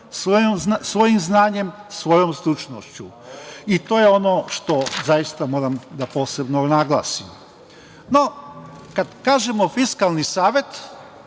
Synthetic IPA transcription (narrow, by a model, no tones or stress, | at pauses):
sʋojomzsʋo̞jimznaːɲe̞msʋo̞jomsɾut͡ʃno̰ʃt͡ɕu | it̪o̞ːjeo̞noʃt̪o̞zajist̪amo̞ːɾamd̪apo̞ːse̞bnonaɡlˠa̰ːsim | no | kad̪kaːʒemo̞fiskalˠnisaːʋje̞t̪